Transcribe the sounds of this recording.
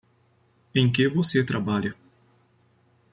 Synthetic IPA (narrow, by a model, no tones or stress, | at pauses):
ẽj̃kevoset̪ɾabaʎɐ